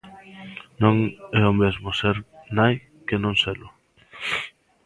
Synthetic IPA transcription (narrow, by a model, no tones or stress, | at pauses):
nõŋɛʊmezmʊseɾnaj | kenõŋselʊ